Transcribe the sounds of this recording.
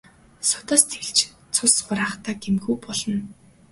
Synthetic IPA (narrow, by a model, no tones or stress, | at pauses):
sʊt̪ɔːst̪ʰeɮt͡ɕ | t͡sʰʊsχʊɾaːχt̪aːɡemɡuːpɔɮɞ̆n